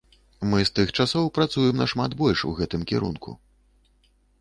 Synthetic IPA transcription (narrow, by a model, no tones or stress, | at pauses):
mɨst̪ɨxt͡ʂasɔwpɾat̪sujɛmnɐʂmad̪bɔlʲʂṵɣɛt̪ɨmkʲɛ̰ɾṵnkṵ